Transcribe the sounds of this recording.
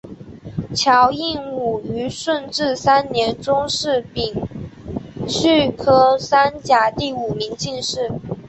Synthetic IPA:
t͡ɕʰjɑ˧˥ʊi˥˧nu˨˩y˧˥ʂwə˥˧nʈ͡ʂɻ̩˥˩sa˥nnjɛ˧˥nt͡sʊ˥ŋʂɻ̩˥˩pi˨˩ŋ | ɕy˥˩kʰɤ˥sa˥nt͡ɕja˨˩t̪i˥˩u˨˩mi˧˥ŋt͡ɕi˥˧nʂɻ̩˥˩

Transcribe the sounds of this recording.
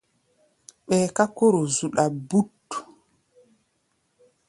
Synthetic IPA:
ɓɛː˨ka˦ko˦ɾo˨zu˨ɗa˨bu˦t

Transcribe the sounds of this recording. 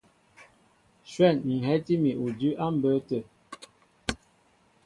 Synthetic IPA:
ʃwɛ˦˨nŋ̩˨ɦɛ˦ti˦mi˨u˨dʉ˦ʔa˦m̩˦bə˨˦tə˦˨

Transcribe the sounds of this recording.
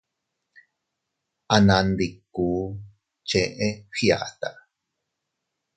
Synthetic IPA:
ʔa˧nã˧nd̪i˨kːuː˨˦ | t͡ʃẽ˧ʔẽ˦ɸia̰˨t̪a˨ʔ

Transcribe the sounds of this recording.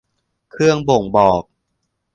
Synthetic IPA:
kʰɾɯ˥˩əŋbo˨˩ŋbɔː˨˩k̚

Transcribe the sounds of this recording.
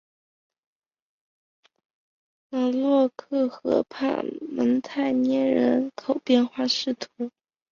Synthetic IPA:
a˧˩lwɔ˥˧kʰɤ˥˩xɤ̰˧˥pʰa̰˥˩mə˧˥nt̪ʰa˥˩ɪnjɛ˥˩nɻə˧˥nkʰo˨˩ʊpjɛ˥˧nxwa˥˧ʂɻ̩˥˩t̪ʰu˧˥

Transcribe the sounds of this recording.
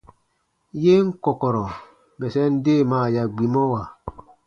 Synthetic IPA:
je˦ŋ̩˦kɔ˨kɔ˨ɾɔ˨ | bɛ˨sɛ˦n̩˦de˦˨ma˨ja˨ɡ͡bi˨mɔ˦wa˨

